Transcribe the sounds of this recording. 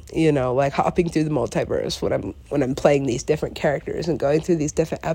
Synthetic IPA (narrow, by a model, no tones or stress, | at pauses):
jɨnoʊlaɪkhɑ̰pɪ̃ŋθɹʉðəmɔlˠtʰaɪvɜ̰˞ɨ̰swə̰̃nãɪ̃mwə̃ñãɪ̃mpʰl̥eɪɪ̃ŋðizdɪfɹɨ̃nkʰɛɹɨk̚tə̰˞zɨ̃nɡoʊɪ̃ŋθɹʉðizdɪfɹɨ̃ntʔæ